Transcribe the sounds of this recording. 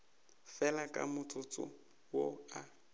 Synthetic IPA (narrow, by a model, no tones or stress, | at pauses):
fɛlakʼa̰mʊt͡sʰʼʊt͡sʼʊ̰ | woa